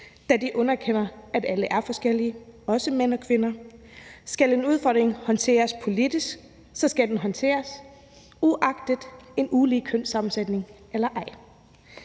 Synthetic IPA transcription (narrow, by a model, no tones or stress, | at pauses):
d̥ædiʔɔ̽nɐkʰen̰ɐæd̥æləʔæɐfɒ̽sɡ̥el̰iəɒ̽səmen̰ɒ̽kʰʋe̝nɐ | sɡ̥æle̝nuð̞ˠfɒ̰d̥ʁeŋhɒ̽nt͡sʰe̝̰ːɐspʰo̝lid̥isɡ̥ | sɒ̽sɡ̥æd̥enɦɒ̽nt͡sʰe̝̰ːɐs | uʔɑ̈ɡ̥d̥id̥ˠe̝nuːlikʰøn̰sɑ̈mn̩sed̥ne̝ŋʔelɐʔɑ̈ɪ̰